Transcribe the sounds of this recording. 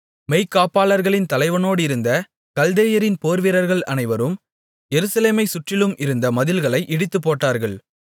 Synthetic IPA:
mɛɪkːaːpaːlɐɾɣɐɭɪnt̪ɐlɐɪʋɐnoːɽɪɾɯnd̪ɐ | kɐld̪eːjɐɾɪnpoːɾʋɪɾɐɾɣɐɭɐnɐɪʋɐɾɯm | jɛɾɯsɐleːmɐɪsʊʈrɪlɯmʔɪɾɯnd̪ɐmɐðɪlɣɐɭɐɪʔɪɽɯt̪ːɯpːoːʈːaːɾɣɐɭ

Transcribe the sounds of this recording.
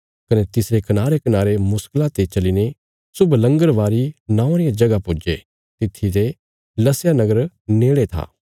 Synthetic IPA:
kɐnet̪ɪsɾekɐnaːɾekɐnaːɾemʊsklat̪et͡ʃɐline | sʊblɐ̃ŋɡəɾʋaːɾinãːãɾɪjad͡ʒɐɡapʊd͡ʒe | t̪ɪt̪ʰːit̪e | lɐsjanɐɡəɾ | neːɭet̪ʰa̰ː

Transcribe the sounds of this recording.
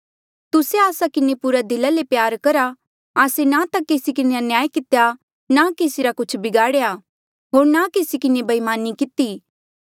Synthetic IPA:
t̪ʊseaːsakɪnepʊɾad̪ɪlalepjaːɾkɐɾa | aːsenat̪akeːsikɪneɐnjaːikɪt̪eja | nakeːsiɾakʊt͡ʃʰbɪɡaːɽeja | ɦoːɾnakeːsikɪnebɐimaːnikɪt̪iː

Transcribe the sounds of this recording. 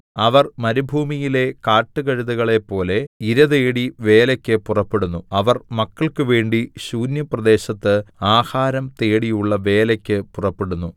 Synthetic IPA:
ɐʋɐrmɐɾubʱuːmijile̞kaːʈːɨɣɐɻuðuɣɐɭe̞pːo̞ːle̞iɾɐðeːɽiʋe̞ːlɐkʲːɨpurɐpːe̞ɽunːuɐʋɐrmɐkːɐɭkɨʋe̞ːɳɖiɕuːnjɐprɐd̪e̞ːɕɐt̪ːɨaːhaːɾɐmt̪e̞ːɽijuɭːɐʋe̞ːlɐkʲːɨpurɐpːe̞ɽunːu

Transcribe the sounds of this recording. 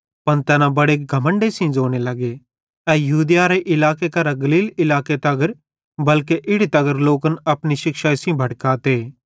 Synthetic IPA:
pɐnt̪ɛːnabɐɽeːɡʱɐmə̃ɳɖesĩd͡ʒoːnelɐɡe | ɛːjɐɦuːd̪jaɾeʔɪlaːkekɐɾɐɡɐliːlɪlaːket̪ɐɡəɾ | bɐlkeʔɪɽit̪ɐɡəɾloːkənɐpniʃɪkʃasĩbʱɐʈkaːt̪eː

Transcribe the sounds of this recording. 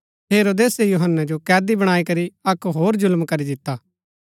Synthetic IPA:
ɦeːɾod̪eːsejʊɦənːad͡ʒokɛːd̪ibɐɽ̃aːikɐɾiɐkɦoːɾzʊlmkɐɾid̪ɪt̪ːaː

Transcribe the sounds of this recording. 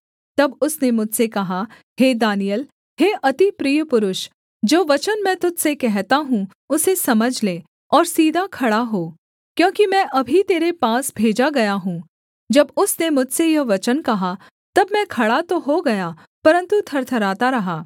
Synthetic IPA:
t̪ɐbʊsnemʊd͡ʒʱsekɐɦa | ɦeːd̪aːnijəl | ɦeːʔɐt̪ipɾiːjəpʊɾʊʃ | d͡ʒoːʋɐt͡ʃənmɛ̃ːt̪ʊd͡ʒ̪sekɛɦt̪aɦũ | ʊsesɐməd͡ʒʱleː | ɔːɾsiːd̪ʱakʰɐɽaɦoː | kjõːkimɛ̃ʔɐbʱit̪eːɾepaːsbʱeːd͡ʒaɡɐjaɦũː | d͡ʒɐbʊsnemʊd͡ʒʱsejɐʋɐt͡ʃənkɐɦa | t̪ɐbmɛ̃kʰɐɽat̪oɦoɡɐja | pɐɾə̃nt̪ut̪ʰɐɾt̪ʰɐɾaːt̪aɾɐɦaː

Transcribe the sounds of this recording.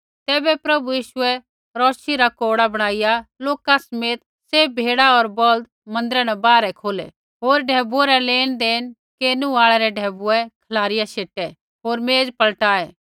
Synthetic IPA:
t̪ɛːbɛpɾɐbujiːʃʊɛ | ɾɔːʃiɾakoːɽabɐɽ̃aːɪjaloːkasɐmeːt̪̚ | sebʱeːɽaɔɾbɔld̪ | mɐ̃nd̪ɾɛnɛbaːɾɛkʰoːlɛ̰ | ɦoːɾɖʱɛːbuɛɾɛleːñd̪eːn | keːnũaːɭɛɾɛɖʱɛːbuɛkʰɐlaːɾɪjaseːʈɛ | ɦoːɾmeːd͡zpɐlʈaːɛː

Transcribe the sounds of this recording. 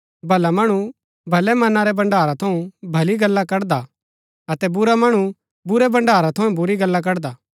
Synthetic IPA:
bʱɐlamɐɽ̃u | bʱɐlɛmɐnaɾɛbɐ̃ɳɖaːɾat̪ʰɐũbʱɐliɡɐlːakɐɽd̪a | ɐt̪ɛbʊɾamɐɽ̃u | bʊɾɛbɐ̃ɳɖaːɾat̪ʰɐ̃ɛ̃bʊɾiɡɐlːak̬ɐɽd̪aː

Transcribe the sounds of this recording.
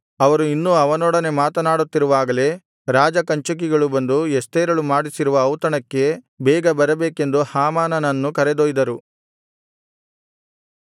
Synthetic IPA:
ɐʋɐɾuinːuɐʋɐnɔːɽɐne̞maːt̪ɐnaːɽut̪ːiɾuʋaːɡɐle̞ | ɾaːd͡ʒɐkɐɲt͡ʃuk̬iɡɐɭubɐnd̪uest̪eːɾɐɭumaːɽisiɾuʋɐːwt̪ɐɳɐkːe̞ | bɛːɡɐbɐɾɐbeːke̞nd̪uhaːmaːnɐnɐnːukɐɾed̪oːjid̪ɐɾu

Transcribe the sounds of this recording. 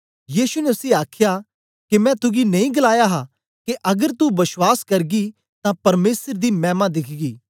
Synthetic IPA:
jiːsunɛʊsĩaːkʰja | kemɛ̃t̪ʊɡinɐ̃ĩɡɐlaːjaɦa | keʔɐɡəɾt̪ubɐswaːskɐɾɡi | t̪ãpɐɾmeːsəɾd̪imɛ̃ːmãd̪ɪkʰɡiː

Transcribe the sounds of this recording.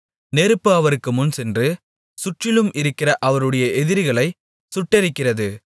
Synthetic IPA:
neːɾɯpːɯɐʋɐɾɯkːɯmʊnsɛndrɯ | sʊʈrɪlɯmʔɪɾɯkːɪrɐʔɐʋɐɾɯɽɐjɐʔɛðɪɾɣɐɭɐɪ | sʊʈːɛɾɪkːɪrɐðɯ

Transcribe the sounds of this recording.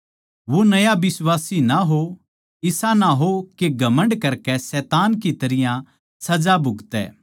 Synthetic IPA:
ʋonɐjabɪswaːsinaɦo | ɪsãnaɦokeɡʱɐmə̃ɳɖkɐɾkɛsɛːt̪aːnkit̪ɐɾɪjã | sɐd͡ʒabʱʊɡt̪ɛ̰ː

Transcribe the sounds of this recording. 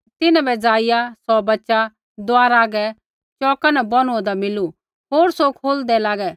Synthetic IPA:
t̪ɪnãbɛd͡zaːɪjasɔbɐtːʃa | d̪ʊaːɾaːɡɛ | t͡ʃɔːkanɛbɔñud̪amɪlu | ɦoːɾsokʰoːld̪ɛlaːɡɛ

